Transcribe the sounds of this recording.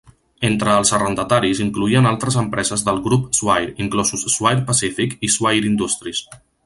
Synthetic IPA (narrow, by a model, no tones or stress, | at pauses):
ent̪ɾəːlˠzərənd̪ət̪aɾiziŋkluiənalˠt̪ɾəzəmpɾɛzəzðəlˠɣɾupzwajɾiŋklɔzusːwajɾpəsifikizwajɾind̪ust̪ɾis